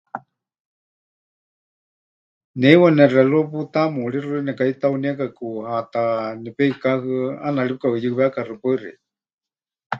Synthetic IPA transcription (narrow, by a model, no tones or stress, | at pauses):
nɛiwanɛrɛluput̪amuɺiruinɛkait̪auniakakuhat̪anɛpɛikahɨanaɺip̚kaɨjɨβɛakarɨpaɨrḭ